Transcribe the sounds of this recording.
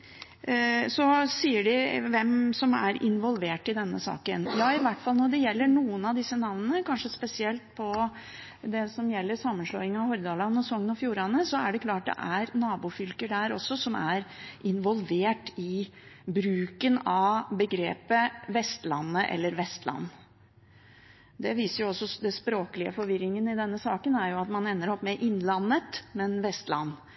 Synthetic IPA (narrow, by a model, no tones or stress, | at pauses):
sɔsiːəɖɪʋɛmsɔmæ̰ɾɪ̰nʋɔlʋeːʈːɪd̪ɛnːəsɑ̰ːkənjɑːɪʋæʈːfɑlnɔɖɛjɛlːəɳuːənɑʋd̪ɪsːənɑʋnənəkʰɑnʂəspɛsɪɛlt̪̚pʰɔ | d̪ɛsɔmjɛlːəɾsɑmːənʂlɔɪŋɑhɔɾd̪ɑːlɑnːɔsɔŋːənɔfjuːɾɑnəsɔæɖɛkʰlɑːʈ̚d̪ɛ̰ʔæɾnɑːbufʏlkəɖæɾɔ̰sːɔsɔmæɾʔɪnʋɔlʋeːʈɪ | bɾʉːkənɑʋbəɡɾeːpəʋɛst̪lɑnːəʔɛ̰lːəɾʋɛst̪lɑ̰nː | d̪ɛʋiːsəɾjʊɔsːɔd̪ɛspɾoːkəlɪə̰fɔɾʋɪɾːɪŋənɪd̪ɛnːəsɑːkənæɾjʊɑt̪mɑnɛnːəɾɔpːmɛʔɪnlɑnːət̪mɛnʋɛst̪lɑ̰nː